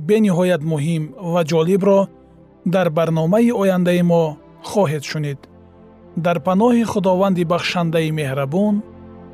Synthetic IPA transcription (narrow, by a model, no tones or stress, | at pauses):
be̞niɦɔjat̪muɦimvad͡ʒɔlibɾɔ | d̪aɾbaɾnɔmaiɔjand̪aimɔ | χɔɦed̪ʃunid̪ | d̪aɾpanɔhiχud̪ɔvand̪ibaχʃand̪aime̞hɾabɔn